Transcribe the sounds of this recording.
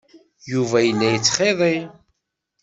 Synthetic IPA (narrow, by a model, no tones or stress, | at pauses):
juvæjəlːæjət͡sːχeðˤi